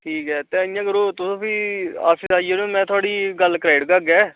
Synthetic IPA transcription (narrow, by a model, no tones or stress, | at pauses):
ʈʰiːkɦɛːt̪eɪjãːkəɾoːt̪ʊsõːsiːa̰ːfiːsaːieːnõmɛ̃ːt̪ʰʊaːɽiːɡəlkɾaːɪɖkəɡɛː